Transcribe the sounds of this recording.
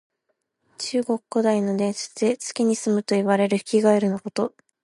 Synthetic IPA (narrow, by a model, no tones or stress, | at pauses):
t͡ɕɨːɡo̞kːod̪aino̞d̪ẽ̞ɰɕɨ̥t͡set͡sɨ̥kʲiɲ̟isɨmɯ̟t̪o̞iβaɾe̞ɾɯ̟çi̥kʲiɡaeɾɯ̟no̞ko̞t̪o̞